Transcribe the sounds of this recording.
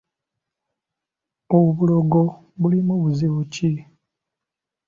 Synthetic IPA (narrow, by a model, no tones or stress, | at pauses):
oβuloɡo | βulimuβuziβuci